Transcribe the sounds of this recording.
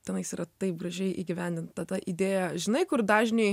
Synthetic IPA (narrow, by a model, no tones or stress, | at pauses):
t̪ʲɛnɐɪsiːɾɐt̪ɐɪp̚ɡrɐʒʲɛɪʔiːɡʲɪʋʲænʲd̪ʲɪnt̪t̪ɐd̪ɐʔid̪ʲeːjɛʒʲɪnɐɪkʊrd̪ɑːʒʲnʲɛɪ